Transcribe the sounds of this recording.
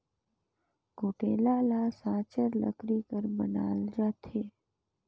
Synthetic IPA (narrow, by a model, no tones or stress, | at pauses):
ɡʱoʈelalasat͡ʃəɾlə̰kɾikəɾbəna̰ːld͡ʒat̪ʰe